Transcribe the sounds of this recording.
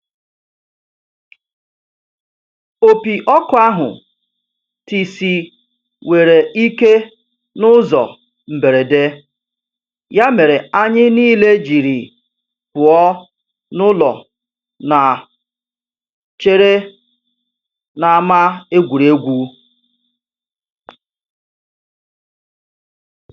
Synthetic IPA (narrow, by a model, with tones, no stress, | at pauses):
o˦pi˨ʔɔ˦kʊ˨˦a˦ɦʊ̰˨ | ti˨si˨ | we˨ɾe˨i˦ke˦ | nʊ˦zɔ̰˨ | m̩˨be˨ɾe˨de˦ | ja˦me˨ɾe˨a˦ɲɪ˦niː˦le˦d͡ʒi˨ɾi˨ | pʊ˨ɔ˦ | nʊ˦lɔ˨ | na˨ | t͡ʃe˦ɾe˦ | na˨a˦˨ma˦e˦ɡʷu˨ɾe˦ɡʷu˦